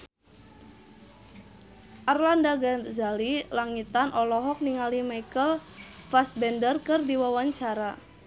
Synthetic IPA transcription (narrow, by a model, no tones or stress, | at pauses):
ʔarlandaɡazalilaŋit̪anʔɔlɔɦɔk̚niŋalimajkəlfasbɛndərkɨrdiwawaɲt͡ʃaɾa